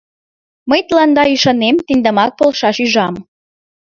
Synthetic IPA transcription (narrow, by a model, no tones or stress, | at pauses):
məjt̪lɑnd̪ɑyʃɑnemt̪ind̪ə̆mɑk̚polʃɑʃyʒɑm